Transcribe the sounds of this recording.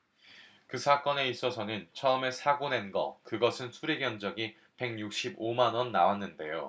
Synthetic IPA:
kɯsʰak͈ʌne̞is͈ʌsʰʌnɯnt͡ɕʰʌɯme̞sʰaɡone̞nɡʌ̰kɯɡʌsʰɯnsʰuɾeɡjʌnd͡ʑʌɡi | pe̞ŋjuk̚ɕ͈ibomanʌnːawanːɯnde̞jo̰

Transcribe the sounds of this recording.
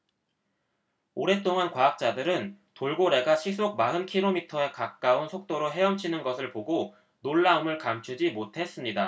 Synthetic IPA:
oɾe̞t͈oŋankwaːk̚t͡ɕ͈adɯɾɯn | toɭɡoɾe̞ɡaɕʰis͈ʰoɡ̚maɯnkʰiɾomitʰʌe̞kak̚k͈aunsʰok̚t͈oɾoɦe̞ʌmt͡ɕʰinɯnɡʌsʰɯɭpoɡo | noɭːaɯmɯɭkamt͡ɕʰud͡ʑimotʰe̞s͈ɯmɲida

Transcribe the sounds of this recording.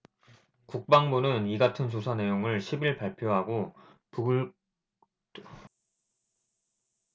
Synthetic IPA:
kuk̚p͈aŋbunɯniɡatʰɯns̬ʰosʰane̞joŋɯɭɕʰibiɭpaɭpʰjoɦaɡo | puɡɯɭ

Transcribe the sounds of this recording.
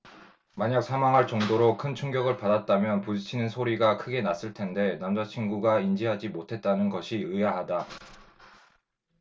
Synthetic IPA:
maɲak̚sʰamaŋɦaɭt͡ɕʌŋdoɾokʰɯnt͡ɕʰuŋɡjʌɡɯɭpadat̚t͈amjʌnpud͡ʑt͡ɕʰinɯnsʰoɾiɡakʰɯɡe̞nas͈ɯɭtʰe̞nde̞namd͡ʑat͡ɕʰinɡuɡaind͡ʑiɦad͡ʑimotʰe̞t̚t͈anɯnɡʌɕʰiɯjaɦada

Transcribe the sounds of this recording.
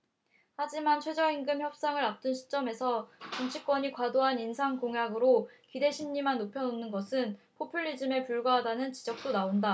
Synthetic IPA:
had͡ʑimant͡ɕʰwe̞d͡ʑʌiŋɡɯmçjʌp̚s͈aŋɯɾap̚t͈ɯnɕʰi̥t͡ɕ͈ʌme̞sʰʌt͡ɕumt͡ɕʰik͈̚wʌɲikwadoɦaninsʰaŋkoŋjaɡɯɾokide̞ɕʰimɲimanːopʰjʌnonːɯnɡʌsʰɯnpʰopʰiʎːid͡ʑɯme̞puɭɡwaɦadanɯnt͡ɕid͡ʑʌk̚t͈onaonda

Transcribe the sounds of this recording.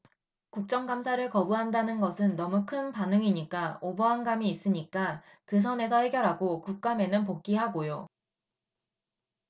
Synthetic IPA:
kuk̚t͡ɕ͈ʌŋɡamsʰaɾɯɭkʌbuɦandanɯnɡʌsʰɯnːʌmukʰɯnpanɯŋiɲik͈aobʌɦanɡamiːs͈ɯɲik͈a | kɯs̬ʰʌne̞sʰʌhe̞ɡjʌɾɦaɡokuk̚k͈ame̞nɯnpok̚k͈iɦaɡojo

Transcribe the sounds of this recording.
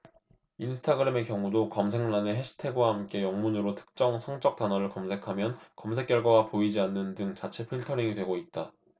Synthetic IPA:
insʰɯ̥tʰaɡɯɾeme̞kjʌŋudokʌmsʰe̞ŋnaneɦe̞ɕʰi̥tʰe̞ɡwahamk͈e̞jʌŋmunɯɾotʰɯ̥k̚t͡ɕ͈ʌŋsʰʌŋt͡ɕ͈ʌk̚t͈anʌɾɯɭkʌmsʰe̞kʰamjʌnkʌmsʰe̞k͈jʌɭɡwaɡapoid͡ʑianːɯndɯŋt͡ɕat͡ɕʰepʰɯɭtʰʌɾiŋidwe̞ɡoit̚t͈a

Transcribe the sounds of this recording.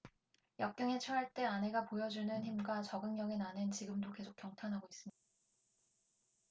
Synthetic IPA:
jʌk̚k͈ʌŋet͡ɕʰʌɦaɭt͈e̞anɦe̞ɡapojʌd͡ʑunɯnçimɡwat͡ɕʌɡɯŋɲjʌŋenanɯnt͡ɕiɡɯmdoke̞sʰokjʌŋtʰanɦaɡois͈ɯmɲid̥aa

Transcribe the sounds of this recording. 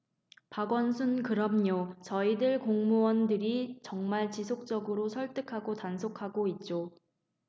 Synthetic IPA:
paɡwʌnsʰunkɯɾʌmɲot͡ɕʌidɯɭkoŋmuwʌndɯɾit͡ɕʌŋmaɭt͡ɕisʰok̚t͡ɕ͈ʌɡɯɾosʰʌɭt͈ɯkʰaɡotansʰokʰaɡoit̚t͡ɕ͈o

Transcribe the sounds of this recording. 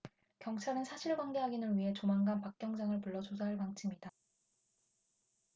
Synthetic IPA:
kjʌŋt͡ɕʰaɾɯnsʰaɕʰiɭɡwaŋɡe̞ɦaɡinɯnɥiɦe̞t͡ɕomaŋɡanpak̚k͈jʌŋd͡ʑaŋɯɭpuɭːʌd͡ʑos̬ʰaɦaɭpaŋt͡ɕʰimɲida

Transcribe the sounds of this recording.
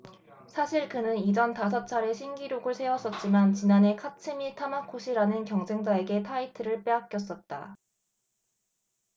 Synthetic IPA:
sʰaɕʰiɭkɯnɯnid͡ʑʌntas̬ʰʌt͡ɕʰaɾe̞ɕʰinɡiɾjoɡɯɭsʰe̞wʌs͈ʌt̚t͡ɕ͈imant͡ɕinane̞kʰat͡ɕʰɯmitʰamakʰoɕʰiɾanɯnkjʌŋd͡ʑe̞ŋd͡ʑae̞ɡe̞tʰaitʰɯɾɯɭp͈e̞ɦak͈jʌs͈ʌt̚t͈a̰

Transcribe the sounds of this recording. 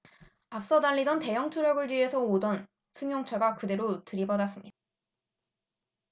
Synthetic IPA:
ap̚s͈ʌdaʎːidʌnte̞jʌŋtʰuɾjʌɡɯɭt͡ɕɥie̞sʰʌodʌn | sʰɯŋjoŋt͡ɕʰaɡakɯde̞ɾotɯɾibʌdas͈ɯmɲida

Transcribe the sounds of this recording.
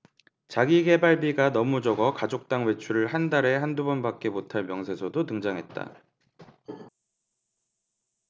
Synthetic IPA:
t͡ɕaɡiɡe̞baɭbiɡanʌmud͡ʑʌɡʌkad͡ʑok̚t͈aŋwe̞t͡ɕʰuɾɯɭɦandaɾe̞handubʌnbak̚k͈e̞motʰaɭmjʌŋsʰe̞sʰʌdotɯŋd͡ʑaŋɦe̞t̚t͈a̰

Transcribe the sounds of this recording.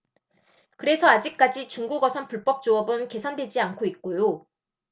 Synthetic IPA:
kɯɾe̞sʰʌad͡ʑik̚k͈ad͡ʑit͡ɕuŋɡuɡʌsʰʌnpuɭp͈ʌp̚t͡ɕ͈oʌbɯnke̞sʰandwe̞d͡ʑiankʰoit̚k͈ojo

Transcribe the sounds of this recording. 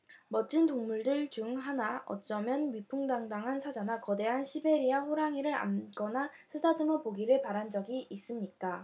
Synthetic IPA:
mʌt͡ɕ͈ɯntoŋmuɭdɯɭt͡ɕuŋɦanaʔʌ̰t͡ɕ͈ʌmjʌnɥipʰuŋdaŋdaŋɦansʰad͡ʑanakʌde̞ɦanɕʰibe̞ɾiaɸoɾaŋiɾɯɾa̰mk͈ʌnasʰɯdadɯmʌpoɡiɾɯɭpaɾand͡ʑʌɡiʔːs͈ɯmɲik͈a

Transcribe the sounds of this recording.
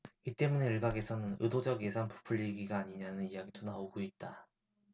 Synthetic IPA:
it͈e̞mune̞ɯɭɡaɡe̞sʰʌnɯnɯdod͡ʑʌɡje̞sʰanpu̥pʰuʎːiɡiɡaːɲiɲanɯnijaɡitonaoɡoit̚t͈a

